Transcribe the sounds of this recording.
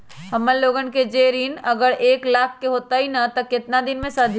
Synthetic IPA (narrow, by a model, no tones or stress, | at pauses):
hɐmːəlloːɡənked͡ʒeɾiːnɐɡəɾeːklaːkʰkeɦoːt̪aɦinɐt̪ɐkːɪt̪nad̪ɪnmẽsad̪ʱ